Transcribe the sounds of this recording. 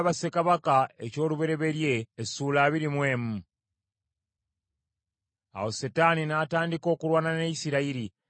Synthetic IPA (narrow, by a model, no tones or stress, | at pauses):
βasekaβakae̞̰co̞ːluβe̞ɾe̞βe̞ɾje̞ːsuːlaːβiɾimwe̞ːmu | a̰wo̞setaːninaːtaːndiko̞ːkulwaːnaneisiɾaiɾi